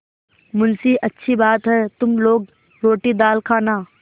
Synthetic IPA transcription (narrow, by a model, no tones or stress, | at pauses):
mʊnsiʔɐtːʃʰibaːt̪ɦɛːt̪ʊmloːɡ̚ | ɾoːʈid̪aːlkʰaːnaː